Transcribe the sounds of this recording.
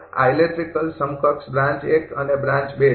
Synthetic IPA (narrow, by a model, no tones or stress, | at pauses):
a̰jleʈɾikəlsʌmukʰʌksbɾãnt͡ʃekʌnebɾãnt͡ʃbe